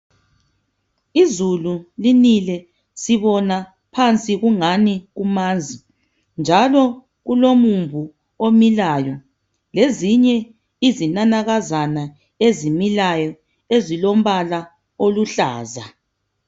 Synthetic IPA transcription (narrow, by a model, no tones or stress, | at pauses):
izululinilɛ | siβɔna | pʰant͡sʼiɣuŋaniɣumaːnd͡zʱi | nd͡ʒʱalɔ | ɣulomuɱvʱu | omilajɔ | leziɲɛ | izinanaɣazana | ezimilajɔ | ezilom̩βala | oluɬaːza